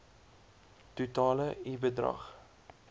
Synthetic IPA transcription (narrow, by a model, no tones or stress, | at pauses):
tutɑːləibədrɐ̰χ